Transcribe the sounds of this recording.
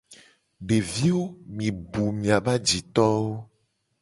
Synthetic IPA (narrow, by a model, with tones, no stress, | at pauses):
ɖe˨vi˦wo˦mĩ˨bu˨mĩ˨a˨ba˦d͡ʒi˨t̪ɔ˦wo˦